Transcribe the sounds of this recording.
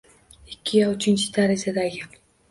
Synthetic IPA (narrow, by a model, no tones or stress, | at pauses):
ɪkʲʰːɪjaʊt͡ʃʰɪnt͡ʃʰɪ̥d̪ʰaɾɪzad̪aɡʲɪ